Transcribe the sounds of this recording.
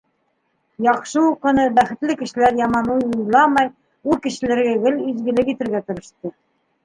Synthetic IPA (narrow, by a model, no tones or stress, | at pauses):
jɑχʃɤuqɤ̆nɤbæχɘ̆t̪lɘkɘ̆ʃɘ̆læɾjɑmɑnujujlˠɑmɑj | ulˠkɘ̆ʃɘ̆læɾɡæɡɘlizɡɘ̆lɘkit̪ɘ̆ɾɡæt̪ŏɾɤ̆ʃt̪ɤ